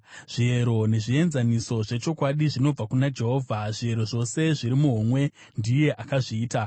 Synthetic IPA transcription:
ʐ̥ieɾo̞ne̞ʐie̞nzaniso̞ʐe̞t͡ʃo̞kwaɗiʐino̞b͡vakunad͡ʒe̞ɦo̞ːvʱaʐie̞ɾo̞ʐo̞se̞ʐiɾimuɦomwe̞ | ndije̞ʔakaʐiːta

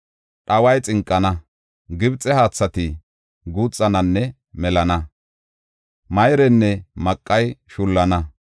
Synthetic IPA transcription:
ɗɐwɐjt͡sʼɪŋkʼːɐnɐ | ɡɪbt͡sʼːɛhaːt͡sːɐt̪ɪ | ɡuːt͡sʼːɐnɐnːɛ | mɛlɐnɐ | mɐjɾɛnːɛmɐkʼːɐjʃʊlːɐnɐ

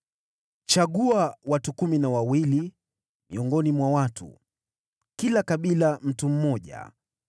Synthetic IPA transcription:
t͡ʃaɠuawatukuminawawili | mḭɔŋɡɔnimwawatṵ | kilakaɓilam̩tum̩mɔʄa̰

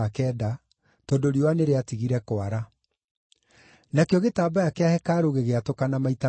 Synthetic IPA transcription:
akɛːda | tɔdoɾiowaneɾeatiɣiɾɛkwaɾa | nakeɔɣetaːbajakɛahɛkaɾoɣeɣeatokanamaita

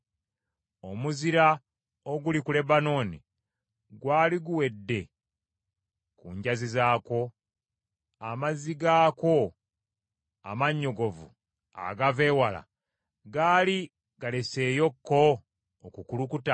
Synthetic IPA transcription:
omuziɾa | oɡulikule̞bano̞ːnḭ | ɡwaːliɡuwe̞dːe̞ | kuɲɟazizaːko̞ | amaziɡaːko̞ | a̰maɲːo̞ɡo̞vu | a̰ɡave̞ːwala̰ | ɡaːli | ɡale̞se̞ːjo̞kːo̞ | okukulukuta

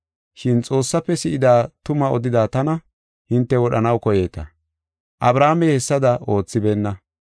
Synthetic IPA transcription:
ʃɪnt͡sʼo̞ːsːɐpːɛsɪʔɪd̪aːt̪ʊmɐɔd̪ɪd̪aːt̪ɐnɐ | hɪnt̪ːɛwɔɗɐnɐwkɔje̞ːt̪ɐ̰ | ʔɐbɾaːmɛhɛsːɐd̪ɐo̞ːt͡sːɪbeːnːɐ

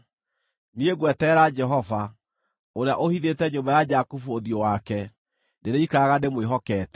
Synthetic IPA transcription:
nieɣwɛtɛɾad͡ʒɛɦɔva | oɾea̰ʔohiðetɛɲombajad͡ʒakufuoðjowakɛ | neɾeikaaɣandemweɦɔkɛːtɛ̥

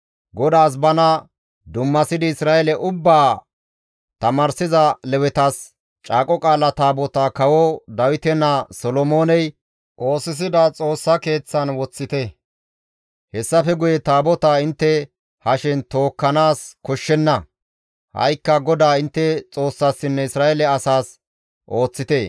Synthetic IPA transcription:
ɡɔd̪aːs̬bɐnɐ | d̪ʊmːɐsɪd̪ɪɪsɾaːɛlɛʔʊbːaː | t̪ɐmaːɾsɪzɐlɛwɛt̪ɐs | t͡ʃʼaːkʼɔkʼaːlɐt̪aːbɔt̪aːkɐwɔd̪ɐwɪt̪ɛnːasɔlɔmoːnɛj | ʔo̞ːsɪs̬ɪd̪ɐt͡sʼo̞ːsːɐke̞ːt͡sːɐnwɔt͡sːɪt̪ɛ | hɛsːɐfɛɡʊjɛt̪aːbɔt̪aːɪnt̪ːɛ | hɐʃɪnt̪o̞ːkːɐnaːskɔʃːɛnːɐ | hɐ̰jkːɐɡɔd̪aːɪnt̪ːɛt͡sʼo̞ːsːasːɪnːɛɪsɾaːjɛlɛɐsaːs | ʔo̞ːt͡sːɪt̪eː

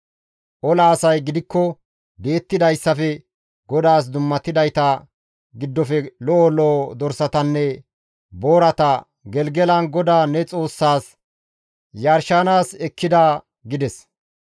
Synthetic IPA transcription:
ʔɔlaːsɐjɡɪd̪ɪkːɔ | b̪e̞ːt̪ːɪd̪ɐjsːɐfɛ | ɡɔd̪aːs̬d̪ʊmːɐt̪ːɪd̪ɐjt̪ɐ | ɡɪd̪ːɔfɛlɔʔɔlɔd̪ɔɾsɐt̪ɐnːɛ | bo̞ːɾɐt̪ɐ | ɡɛlɡɛlɐnɡɔd̪aːnɛt͡sʼo̞ːsːaːs | jɐɾʃanaːsɛkʰːɪd̪aː | ɡɪd̪ɛs

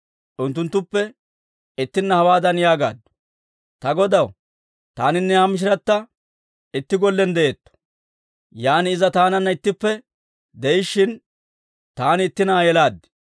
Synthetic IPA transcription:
ʔʊnt̪ːʊnt̪ːʊpːɛ | ɪt̪ːɪnːɐhɐwaːd̪ɐnjaːɡa̰ːd̪ʊ̥ | t̪ɐɡɔd̪ɐw | t̪aːnɪnːɛhamɪʃ̬ɪɾɐt̪ːɐ | ɪt̪ːɪɡɔlːɛnd̪ɛʔet̪ːɔ̥ | jaːnɪɪzɐt̪aːnɐnːɐɪt̪ːɪpːɛ | d̪ɛjɪʃːɪn | t̪aːnɪɪt̪ːɪnɐjɛlaːd̪ːɪ̥

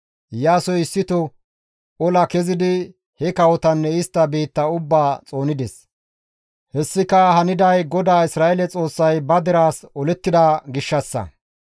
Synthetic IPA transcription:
jaːsɔjɪsːɪt̪ɔ | ɔlɐkɛzɪd̪ɪ | hɛkɐwɔt̪ɐnːɛɪst̪ːɐbiːt̪ːɐʊbːaːt͡sʼo̞ːnɪd̪ɛs | hɛsːɪkɐhɐnɪd̪ɐjɡɔd̪aːɪsɾaːʔɛlɛt͡sʼo̞ːsːɐjbɐd̪ɛɾaːsɔlɛt̪ːɪd̪ɐɡɪʃːɐsːɐ̰

